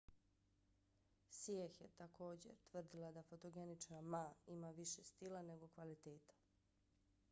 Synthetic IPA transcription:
sjexjet̪ako̞ːd͡ʑḛɾt̪ʋr̩d̪ilad̪afot̪oɡenit͡ʃnamaimaʋiʃest̪ilane̞ɡo̞kʋalit̪eːt̪ḁ

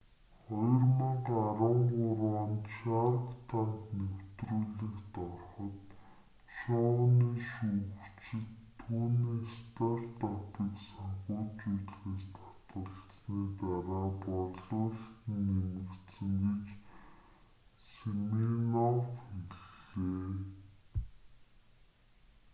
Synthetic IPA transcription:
χɔjɞ̆rmə̆qaɾə̆ɴɢʊɾwaːnt̪ʃarkt̪ʰaŋknew̥t̪ruːɮĭkt̪ɔrχɞ̆t̪ | ʃɔniːʃuɣt͡ɕɪ̆t̪ʰːuːniːst̪ʰart̪apiːksaɴχʊːt͡ɕujɮɣeːst̪ʰḁt̪ə̆ɬt͡sniːt̪aɾaːpɔɮɮʊːɮt̪ɘ̆nemɘ̆kt̪sɘ̆ŋɡet͡ɕ | seminɔfxeɾɮeː

